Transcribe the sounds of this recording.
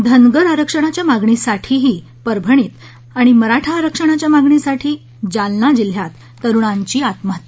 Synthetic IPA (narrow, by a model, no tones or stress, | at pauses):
d̪ʱənɡəɾaɾəkʂəɽ̃at͡ɕjamaɡɳisaʈʰiːɦiː | pəɾbʱəɳ̃iːt̪ | aɽ̃iməɾaʈʰaːɾəkʂəɽ̃at͡ɕjamaɡɳisaʈʰiː | d͡ʑalnad͡ʑil̤jat̪ːəɾuɳ̃aɲt͡ɕiːat̪mat̪i̥